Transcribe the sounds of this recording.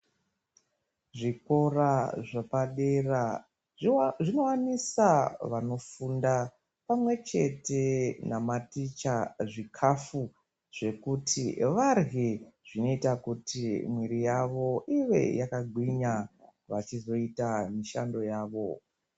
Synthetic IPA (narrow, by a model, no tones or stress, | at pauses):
ʐiko̞raʐapaɗera | ʐino̞wanisaʋano̞funda | pamwe̞t͡ʃe̞te̞namatit͡ʃaʐikʰafu | ʐ̥e̞kutʰiʋarɦiʐ̥ino̞itakutʰimwiɾijaʋo̞ʔiʋḛjakaɡʱwiɲaʋat͡ʃizo̞itamiʃa̰ndo̞jaːʋo̞